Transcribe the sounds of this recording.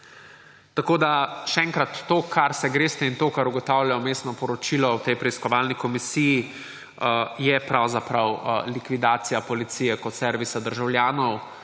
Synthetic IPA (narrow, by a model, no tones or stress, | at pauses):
t̪akoːd̪aʃɛɛŋkɾat̪ːokʰaɾsɛɡɾeːst̪ɛint̪oːkaɾuɡɔt̪awljajɔmeːst̪nɔpɔɾɔt͡ʃilɔwt̪ɛjpɾɛiskɔʋalnikɔmisiji | jɛpɾawzapɾawlikʋid̪aːt̪sijapɔlit̪siːjɛkɔt̪sɛɾʋisad̪əɾʒawljaːnɔw